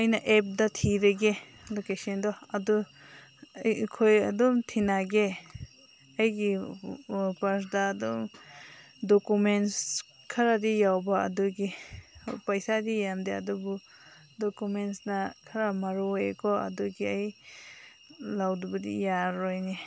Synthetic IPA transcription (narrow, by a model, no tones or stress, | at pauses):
ajnaʔep̚d̪at̪ʰideɡe | lokeʃɔnd̪ɔad̪u | kʰojad̪umt̪ʰinaɡe | ajɡi | pas̬d̪aːd̪um | d̪okumens | kʰaɾadijawba̰ːd̪uɡi | pajsadijamd̪ea̰d̪ubu | d̪okumensnakʰaɾamaɾuwekɔa̰d̪uɡiaj | lawd̪ubudḭjaɾɔjni